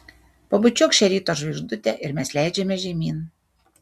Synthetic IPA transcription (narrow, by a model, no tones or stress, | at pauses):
pobʊt͡ʃʲʊkʃʲɛɾʲiːt̪oːʒʲʋʲiʒd̪ʊt̪ʲɛʔɪɾmʲɛslʲæˑɪd͡ʒʲɛmʲɛʒʲɛmʲiːn